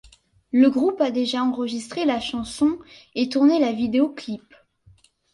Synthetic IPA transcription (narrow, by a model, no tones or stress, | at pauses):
ləɡʁupad̪eʒaɑ̃ʁəʒist̪χelaʃɑ̃sɔ̃et̪uʁnelavid̪eoklip